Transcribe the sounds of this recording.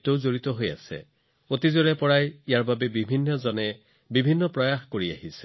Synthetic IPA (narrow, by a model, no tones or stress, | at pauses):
towzoɹit̪ɔɦoja̰sɛ̰ | ot̪izoɹɛpɔɹajijaɹbabɛbibʱinːɔzɔnɛ | bibʱinːɔpɹɔjaxkoɹia̰hise̥